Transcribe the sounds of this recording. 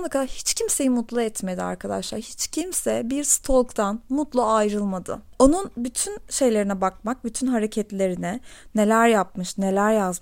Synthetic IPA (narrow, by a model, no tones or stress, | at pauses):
nˠakʰad̪aɾhit͡ʃcʰimse̞jimut̪lˠaɛt̪me̞d̪ia̰ɾkʰad̪a̰ʃlˠa̰ɾhit͡ʃcʰimsɛbiɾst̪ʰolˠkt̪ʰanmut̪lˠaajɾɯlˠmad̪ɯ̰ | o̞nunbyt̪ʰynʃe̞jlʲe̞ɾinɛbak̚mak̚byt̪ʰynɦaɾe̞cʰɛt̪lʲe̞ɾinɛne̞lʲæɾjap̚mɯʃne̞lʲæɾjazm